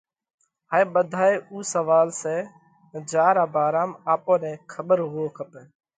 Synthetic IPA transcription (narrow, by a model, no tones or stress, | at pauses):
ɦaːẽːɓəd̪ʱaːeːʔuːsəʋaːlseː | d͡ʒaːɾaːbaːɾaːmaːpõːnɛ̃ːkʰəɓəɾɦʊoːkʰəpeː